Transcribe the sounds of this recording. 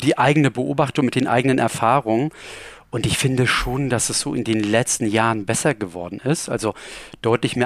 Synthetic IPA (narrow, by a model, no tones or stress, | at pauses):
d̥iːʔaɪɡənəbəʔoːbaχtʊŋmɪt̚d̥eːnʔa̰ɪɡənənʔɛ̰ɐfaːʁʊŋən | ʔʊntɪçfɪndəʃoːnd̥asɛsz̥o̰ːʔɪndeːnlɛt͡stn̩jaːʁənbɛsɐɡəvɔɐdn̩ɪstʔa̰lzod̥ɔʏtlɪçmiːɐ